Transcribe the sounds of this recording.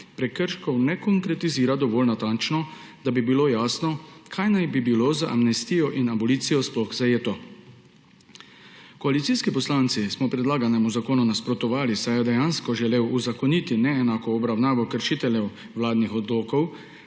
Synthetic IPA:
pɾɛkːəɾʃkɔwnɛkɔŋkɾɛt̪iziːɾad̪ɔʋoːlnat̪ant͡ʃnɔ | d̪̥abibilojaːsnɔkʰajnajbibiloːzaʔa̰mnɛst̪iːjɔʔinabɔliːt̪sijɔsplɔxzajeːt̪ɔ | kɔalit̪siskipɔslaːnt̪sismɔpɾɛd̪laːɡanɛmuzakoːnunaspɾɔt̪ɔʋaːlisajɛd̪ɛjanskɔʒɛleːwuzakɔniːt̪inɛːnaːkɔːbɾawnaːʋɔkəɾʃiːt̪ɛljɛw | wlaːd̪nixɔd̪loːkɔw

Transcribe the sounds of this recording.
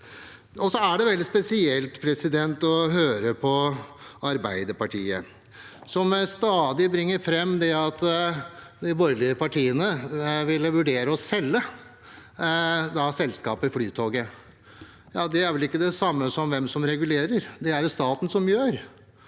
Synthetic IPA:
ɔsɔæɖɛʋɛld̪ɪspɛsɪɛlt̪pʰɾɛsɪd̪ɛnt̪ɔɦøːɾəpʰɔɑɾbæɪd̪əɾpɑʈʰiːə | sɔmst̪ɑːd̪ɪbɾɪŋːəɾfɾɛmːd̪ɛɑt̪ | d̪ɪbɔɾlɪəpʰɑʈʰiːənəʋɪlːʋʉɖeːɾəɔsɛlːə | d̪ɑsɛlskɑ̰ːpəɪflyːt̪ʰoːɡə | jɑːd̪ɛæɾʋɛlɪkːəd̪ɛsɑmːəsɔmʋɛmsɔmɾɛɡʉleːɾəɾd̪ɛæɾst̪ɑːt̪n̩sɔmjøːɾ

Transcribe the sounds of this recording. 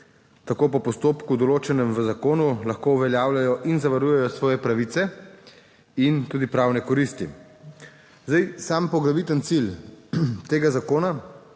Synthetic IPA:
t̪akoːpɔpɔst̪oːpkud̪ɔloːt͡ʃɛnɛmʋəzakoːnulaxkouʋɛljaːwlajɔʔinzaʋaɾuːjɛjɔsʋɔːjɛpɾaʋiːt̪sɛ | int̪uːd̪ipɾaːwnɛkɔɾist̪i | zd̪ajsampɔɡɾaʋit̪ənt̪sil | t̪eːɡazakoːna

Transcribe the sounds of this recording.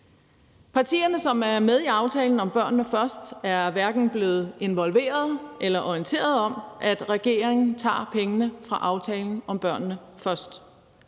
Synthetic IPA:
pʰɑ̈t͡sʰḭːɐnəsɒ̽mæɐmeð̞ˠiɑ̈ʊt͡sʰɛːln̩ɒ̽mb̥ɶɐ̰nːnəfɶɐsd̥æɐʋæɐɡ̥n̩b̥le̝ːð̞̩ˠe̝nʋɒ̽lʋe̝̰ːɐð̞̩ˠʔelɐʔɒint͡sʰe̝̰ːɐð̞ˠɒ̽mʔæd̥ʁɛɡ̥e̝̰ːɐʁeŋn̩t͡sʰɑ̰̈ːpʰeŋənəfʁɑ̈ʔɑ̈ʊt͡sʰɛːln̩ɒ̽mb̥ɶɐ̰nːəfɶɐsd̥

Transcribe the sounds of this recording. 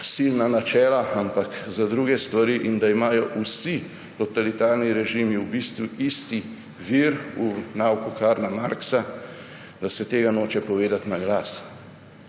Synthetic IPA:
silnanat͡ʃɛːlaampakzad̪ɾuːɡɛst̪ʋaɾiʔind̪aimaːjɔʔusi | t̪ɔt̪alit̪aɾniɾɛʒiːmiubist̪ʋuist̪i | ʋiɾunawkukaɾnamaɾksa | d̪asɛt̪eːɡanoːt͡ʃɛpɔʋeːd̪at̪naɡlas

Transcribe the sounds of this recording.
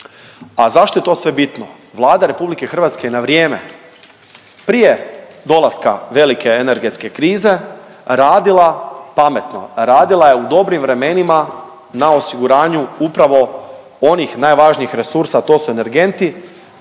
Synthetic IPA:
azaʃt̪o̞jet̪o̞ːsʋe̞bit̪no | ʋlˠaːd̪aɾe̞publike̞xr̩ʋat̪skejenaʋɾjeːme̞̰ | pɾije̞ | d̪o̞lˠaska̰ʋe̞like̞eneɾɡe̞t̪ske̞kɾiːze̞ | ɾaːd̪ilˠapame̞t̪no̞̰ɾaːd̪ilˠaje̞ud̪o̞bɾimʋɾe̞me̞nima | nao̞siɡuɾaːɲuupɾaʋo̞ | o̞nixnaːjʋaʒniixɾe̞suɾsat̪o̞suene̞ɾɡe̞nt̪i

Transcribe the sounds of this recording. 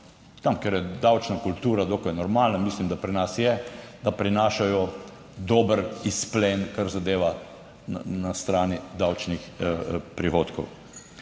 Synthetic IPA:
t̪amkɛɾjɛd̪awt͡ʃnakult̪uːɾad̪oːkajnɔɾmaːlnamiːslimd̪apɾinasjɛd̪apɾinaːʃajɔ | d̪oːbəɾisplenkaɾzad̪eːʋa | nast̪ɾaːnid̪awt͡ʃnixpɾixoːt̪kɔw

